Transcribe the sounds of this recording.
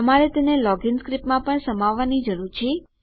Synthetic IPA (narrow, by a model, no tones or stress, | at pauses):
əmaɾet̪enelɔɡɪnskɾipmãpəɳsəmaʋːanid͡ʒəɾuɾt͡ʃʰe